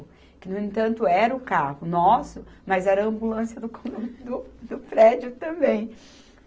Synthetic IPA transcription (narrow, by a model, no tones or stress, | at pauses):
ʊ | kɪnʊ̃ẽnt̪ɐ̃nt̪ʊɛɾɐʊkahʊnɔsʊmɐzɛɾɐɐ̃mbulɐ̃sjɐd̪ʊkod̪ʊd̪ʊpɾɛd͡ʒʊt̪ɐ̃bẽj̃